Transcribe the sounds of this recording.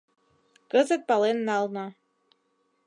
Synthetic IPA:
kəzət̪̚pɑlenːɑlnɤ

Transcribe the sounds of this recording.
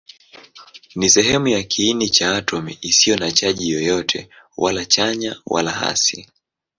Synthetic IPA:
nisɛɦɛmujakʰiːnit͡ʃaːtʰɔmḭʔisijɔnat͡ʃaʄijɔjɔtʰɛ̰ | walat͡ʃaɲawʔa̰laha̰si

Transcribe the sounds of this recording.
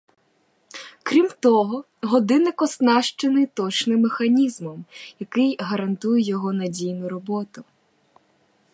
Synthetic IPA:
kɾʲimt̪ɔɦɔ | ɦɔd̪ɪnɪkɔsnɑʃt͡ʃɪnɪt̪ɔt͡ʃnɪmːexɐnʲizmɔmjɐkɪjɦɐɾɐnt̪ujɛjɔɦɔnɐdʲijnʊɾɔbɔt̪ʊ

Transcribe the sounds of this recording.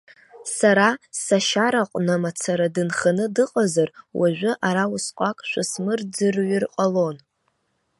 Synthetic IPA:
saɾasaʃaɾaqʷʼnamat͡sʰaɾadɨnχanɨdɨqʼazarwʔaʒᶣʷʊʔaɾawʊsqʷʼakʼʃʷasmɨrd͡zɨrɥirqʼalo̞n

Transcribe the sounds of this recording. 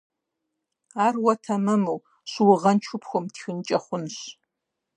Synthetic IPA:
aːrwɐtʰɐmɨmuw | ɕʷwʊʁɐnt͡ʃʰʊpʰxʷɔmtxʲɪnt͡ʃʼɐχʷʊnɕ

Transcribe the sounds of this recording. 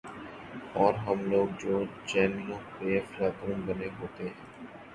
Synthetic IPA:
ɔːɾɦəmloːɡ̚d͡ʒoːd͡ʒɛːnlopefɾaːd̪ɾumbəneɦoːt̪eɦɛ̃

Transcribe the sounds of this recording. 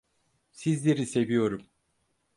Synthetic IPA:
sizlʲe̞ɾise̞vijo̞ɾum

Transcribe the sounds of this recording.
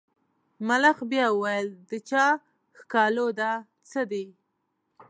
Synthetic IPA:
malaxbjɑəwajəld̪ət͡ʃɑ | xkɑlod̪a | t͡səd̪e

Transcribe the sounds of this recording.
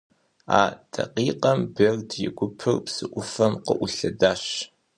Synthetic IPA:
a̰ːdʰɐ̰qiːqɐmberdjɪɡʷʊpʰɨrpsɨʔʷʊfɐmqə̰ʔʷʊɬɐdaːɕ

